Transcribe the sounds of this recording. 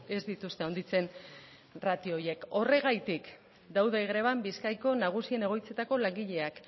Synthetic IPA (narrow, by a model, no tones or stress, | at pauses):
e̞zd̪it̪ust̪e̞ond̪it͡se̞n | rat̪ioje̞ko̞re̞ɣ̞ajt̪ik | d̪awðe̞ɣɾe̞βambiskajko̞naɣ̞usie̞ne̞ɣ̞o̞jt͡se̞t̪ako̞laŋɡiʎe̞ak